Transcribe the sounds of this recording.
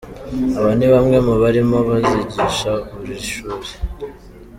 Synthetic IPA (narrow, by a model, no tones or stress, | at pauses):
aβaniβamŋe̞muβaɾimo̞βaziɟiʃaβuɾiʃuːɾe